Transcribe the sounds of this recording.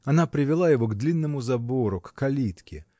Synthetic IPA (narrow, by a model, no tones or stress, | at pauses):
ɐnapɾʲɪvʲɪlˠajɪvo̞ɡd̪lʲinːəmʊzɐbo̞ɾʊkːkɐlʲit̪kʲɪ